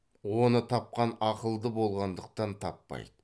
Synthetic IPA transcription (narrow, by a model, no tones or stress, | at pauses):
wo̞nət̪ʰɑp̚qɑnɑqəlˠd̪əbo̞lˠʁɑnd̪əq̚t̪ɑnt̪ʰɑ̰pːɑ̰jd̪̥ə